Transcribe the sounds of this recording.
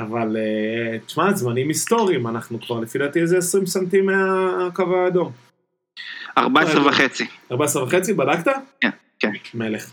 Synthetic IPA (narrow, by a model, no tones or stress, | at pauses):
avalett͡ʃmazmanimist̪o̞ʁiimanaχnukvaʁlefid̪at̪iezeesʁimsamt̪imeakavaːd̪o̞m | a̰ʁbaesʁevaχet͡siaʁbaesʁevaχe̞t͡sibadakt̪aken | kenmele̞χ